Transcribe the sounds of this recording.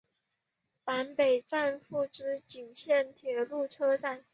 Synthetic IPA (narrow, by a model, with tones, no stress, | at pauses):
pa˧˥npe˨˩ɪʈ͡ʂa˥˧nfu˥˩ʈ͡ʂɻ̩˥t͡ɕi˨˩ŋɕjɛ˥˩nt̪ʰjɛ˧˥lu˥˩ʈ͡ʂʰɤ˥ʈ͡ʂa˥˩n